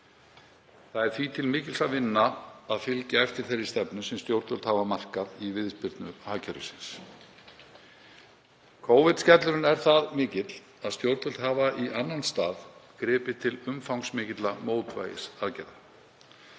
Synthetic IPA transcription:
θaðɛɾ̥θvit̪ʰɪlmɪːcɪlsaðvɪnːaaðfɪlcaɛft̪ɪɾ̥θeɾːɪst̪ɛpnʏsɛmst̪jowɾt̪œlt̪havamar̥kaðivɪðspɪɾt̪nʏhaːcʰaɾʏsɪns | kʰoːwvɪt̪scɛt̪lʏɾɪnɛɾ̥θaðmɪːcɪt̪l̥ | aðst̪jowɾt̪œlt̪havaʔiʔanːanst̪aːðkɾɪːpɪt̪ʰɪlʏmfawŋsmɪːcɪt̪lamoːwt̪va̰ːjɪ̰saðcɛjða

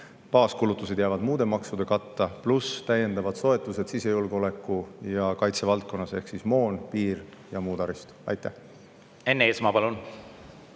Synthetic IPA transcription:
pɑːskulut̪ːˑused̪jæːvɑd̪muːd̪̥e̞mɑksud̪̥e̞kɑt̪ːɑplust̪æje̞nd̪̥ɑvɑd̪̥so̞e̞t̪ːˑuse̞d̪sise̞julɡ̥eo̞le̞kːˑujɑkɑjt̪se̞vɑlt̪̚ko̞nːɑse̞hksismo̞ːnpiːr | jɑmuːd̪ɑɾist̪ɑ̰jt̪ːˑæh | e̞nːeeːsmɑpɑlun

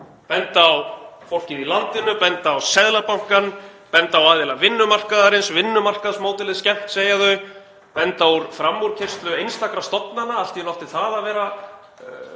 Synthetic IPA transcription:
pɛnt̪aːwfowl̥cɪðilant̪ɪnʏpɛnt̪aːwsɛðlapawŋ̥kanpɛnt̪aːwaðɪlavɪnːʏmar̥kaðaɾɪnsvɪnːʏmar̥kaðsmoːwt̪ɪlɪðscɛm̥t̪seːjaðœ | pɛnt̪auɾfɾamːuɾ̥cʰɪr̥st̪lʏejnst̪akɾast̪ɔt̪nanaal̥t̪inɔwht̪ɪ̥θaðaðvɛːɾa

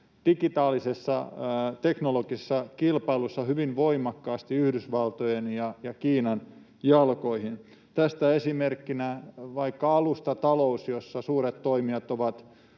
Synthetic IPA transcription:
d̥ikit̪ɑːlisesːɑ̰t̪eknolokiesːɑkilpɑilusːɑhyʋinʋoimɑkːɑːst̪iyhdysʋɑlt̪ojenjɑjɑkiːnɑn | jɑlkoihin | t̪æst̪æesimerkːinæʋɑikːɑɑlust̪ɑt̪ɑlousjosːɑsuːret̪t̪oimiɑt̪oʋɑt̪

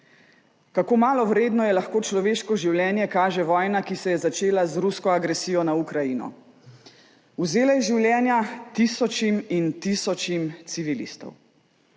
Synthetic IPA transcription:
kakoːmaːlɔwɾeːd̪nɔjɛlaxkoːt͡ʃlɔʋeːʃkɔʒiwljɛːnjɛkaːʒɛʋɔːjnakisɛjɛzat͡ʃeːlazɾuskɔaɡɾɛsiːjɔnaukɾajinɔ̰ | uzeːlajɛʒiwljɛːnjat̪isɔt͡ʃimint̪isɔt͡ʃimt̪siʋilḭst̪ɔ̰w

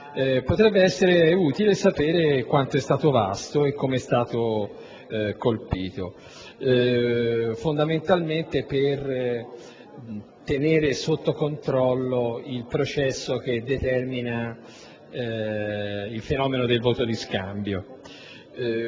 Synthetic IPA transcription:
ɛpot̪ɾɛbːeɛsːeɾeuːt̪ilesapeːɾekwant̪oɛst̪aːt̪ova̰st̪oekːomeɛst̪aːt̪o | kolpiːt̪o | fond̪ament̪alment̪eper | t̪eneːɾesot̪ːokont̪ɾɔlːoilpɾot͡ʃɛsːok̟ed̪ːet̪ɛrmina | ilfenɔːmenod̪elvoːt̪od̪iskambjo

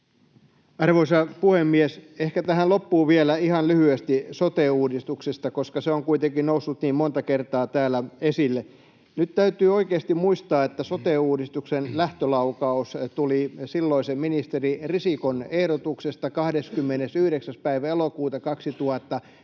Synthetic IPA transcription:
ɑrʋoisɑpuhemːiesehkæt̪æhænlopːuːʋielæihɑnlyhyest̪isot̪eːuːdist̪uksest̪ɑkoskɑseoŋkuit̪eŋkinnousːut̪niːmmont̪ɑkert̪ɑːt̪æːlːæesilːe | nyt̪t̪æyt̪yːoikeːst̪immuist̪ɑːet̪ːæsot̪euːdist̪uksenlæht̪ølɑukɑust̪ulisilːoiseminist̪eririsikonehɾot̪uksest̪ɑkɑhdeskymːenesyhɾeksæspæiʋæelokuːt̪ɑkɑksit̪uhɑt̪ːɑ

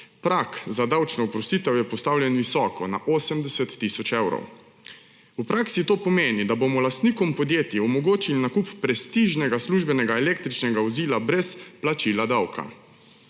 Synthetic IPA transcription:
pɾakzad̪awt͡ʃnɔɔpɾɔst̪it̪ɛwjɛpɔst̪aːwlʲjɛnʋisɔːkɔna̰ʔoːsəmd̪ɛsɛt̪ːisɔt͡ʃɛwɾɔ̰w | upɾaksit̪oːpɔmeːnid̪abomɔlast̪niːkɔmpɔd̪jeːt̪jiɔmɔɡoːt͡ʃilinakupːɾɛst̪iʒnɛɡasluʒbɛnɛɡaɛleːk̚t̪ɾit͡ʃnɛɡaɔziːlabɾɛsplat͡ʃilad̪awkʰa̰

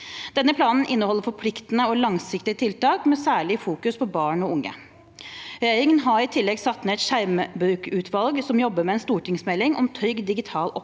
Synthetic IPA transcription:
d̪ɛnːəpʰlɑːnn̩ʔɪnːəhɔlːəɾfɔpʰlɪkt̪ənəɔlɑŋsɪkt̪ɪət̪ʰɪlt̪ɑːkmɛsæːɭɪfuːkʉspʰɔbɑːɳɔʊŋːə̰ | ɾɛjeːɾɪŋənɦɑɾɪt̪ʰɪlːɛɡsɑt̪ːmɛɛt̪ʃæɾmbɾʉːkʉːt̪ʰʋɑlɡsɔmjɔbːəmɛɛnst̪uːʈʰɪŋsmɛlːɪŋʔɔ̰mt̪ʰɾʏɡd̪ɪɡɪt̪ʰɑːlʔɔp

